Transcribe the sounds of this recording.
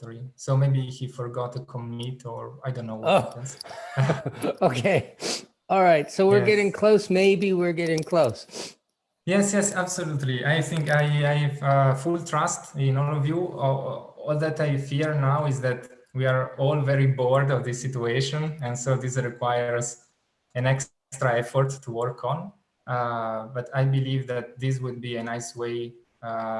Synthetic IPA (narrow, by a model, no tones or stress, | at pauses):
tɹisoʊmeɪbihifɔɹɡɔt̪ukʰɔmitʰɔɹajdõnːoʊwopns | oʊkʰeɪ | ɔlˠɹaɪtsoʊwɪɹɡɛɾɪ̃ŋkʰl̥oʊsmeɪbiwɪɹɡɛɾɪ̃ŋkʰl̥oʊs | jɛsjɛsæbsolut̪liʔajθɪ̃ŋkajajvfult̪ʰɹastɪ̃nɔlɔvju | ɔld̪ætajfiɹnawɪzðæt̪wiaɹɔlvɛɹibɔɹd̪ɔvd̪isit̪ueʃɔ̃nɛ̃nsoʊðisɹikwajəɹz | ɨ̃nɛks | stɾaɛfɔɹt̪ʰːuwɔɹkʰɔ̃n | bat̪ʰajbilivd̪æt̪̚d̪is̬wud̪̚biɨnaɪsweɪ